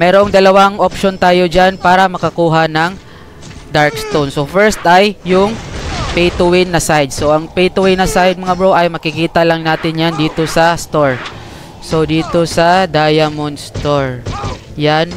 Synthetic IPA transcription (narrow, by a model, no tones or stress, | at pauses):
mɛːɾo̞ŋd̪ɐlɐwaŋʔopʃont̪aːjo̞d͡ʒanpaːɾɐmɐkɐkuːɦanɐŋ | d̪aɹkst̪ownsofɛɹst̪ʔɐjːʊŋpejt̪owɪnːɐsajd̪̚so̞ʔɐŋpejt̪owɪnːɐsajd̪̚mɐŋabɹoʔɐjmɐkɪkiːt̪ɐlɐŋnaːt̪ɪnjand̪iːt̪o̞sɐst̪oɹ | so̞d̪iːt̪o̞sɐd̪ajɐmonst̪oɹ | jan